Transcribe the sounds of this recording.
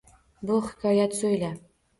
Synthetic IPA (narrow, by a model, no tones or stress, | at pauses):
buχɪ̥kɑjæt̪sɵjlæ